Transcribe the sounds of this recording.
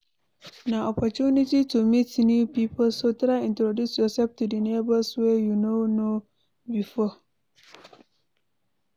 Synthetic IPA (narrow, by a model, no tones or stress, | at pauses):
naʔɔpɔt͡ʃunititumitnupipɔlsotɾaɪĩntɾodusjɔsɛp̚tudinebəswɛjunono | bifɔ